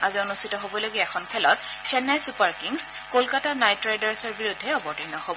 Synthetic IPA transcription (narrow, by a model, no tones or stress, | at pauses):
azionustʰitɔɦobɔloɡiɛkʰɔnkʰɛlɔtt͡ʃʰɛnajsupaɹkiŋskolkatanajtɹajdaɹsɔɹbiɹudʱːɛɔbɔtinɔhobɔ